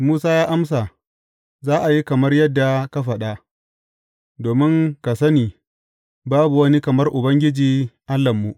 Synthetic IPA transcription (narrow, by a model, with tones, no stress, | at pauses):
muː˦saː˦jaː˦ʔa˦ms̬a˨ | zaː˦ʔa˨ji˦kɐ˨mɐ˦rjɐ˦dːa˨ka˦ɸɐ˨ɗa˦ | doː˨mɪ˦ŋka˨sɐ˦niː˨ | baː˦bu˨wɐ˦ni˦kɐ˨mɐ˦rʔʊ˨bɐ˦ŋɡʲɪ˦d͡ʒiː˨ʔa˦lːɐ˨mːu˨ʔ